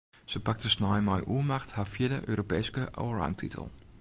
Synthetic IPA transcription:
səpak̚təsnajmɔjʔuəmaxthafjɪdəʔø̰ːɾopɛːskəʔo̰əɹa̰wntʰḭtʰə̰l̩ˠ

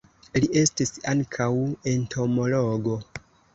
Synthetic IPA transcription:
liʔe̞stisaŋkʰawe̞ntʰo̞mo̞lo̞ɡo̞

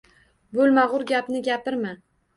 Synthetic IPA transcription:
bɵlˠmaʁʊɾɡʲapnɪɡʲapɪɾma

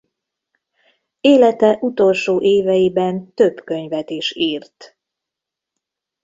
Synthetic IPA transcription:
eːlɛt̪ɛʔut̪o̞lʃoːʔeːvɛjibɛnt̪ø̞bkø̞ɲvɛt̪iʃiːrt̪

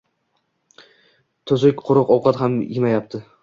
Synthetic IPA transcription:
t̪ʰʊzɪkʲqʰʊɾɨqɒwqʰɑt̪ɦamjɪmajap̚t̪ʰɪ

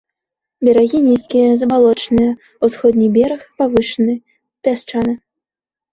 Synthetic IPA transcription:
bʲɐɾaɣʲinʲiskʲijɐzɐbalˠɔt͡ʂnɨjɐ | usxɔd̪ʲnʲibʲɛɾɐxpavɨʂɨnɨ | pʲast͡ʂanɨ

